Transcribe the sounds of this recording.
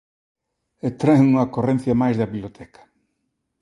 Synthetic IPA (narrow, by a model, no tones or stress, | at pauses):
et̪ɾaeŋuŋɐkorẽn̟θjɐmajzðɐβiβlot̪ʰɛkɐ̥